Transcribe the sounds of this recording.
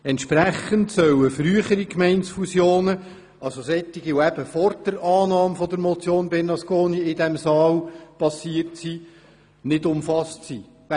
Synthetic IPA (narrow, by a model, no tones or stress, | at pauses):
ɛntʃpɾæχəntsœwəfryəχəɾikmɛɪntsfusjoːnə | ɑlsosɛtːiɡiʊæb̥əfɔɾd̥əɾɑːnɑːmfɔd̪əɾmɔt͡sjoːnbɛnɑskoːniɪdɛmsɑːlpɑsiərtsiː | nɪdʊmfɑstsiː